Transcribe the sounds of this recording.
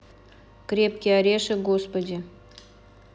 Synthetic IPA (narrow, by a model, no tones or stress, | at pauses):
kɾʲepkʲɪɐɾʲeʂɨɡospɐdʲɪ